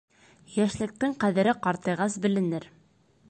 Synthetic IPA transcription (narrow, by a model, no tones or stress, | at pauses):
jæʃlɘ̆k̚t̪ɘŋqæðɘ̆ɾɘqɑɾt̪ɤ̆jʁɑsbɘ̆lɘ̆nɘɾ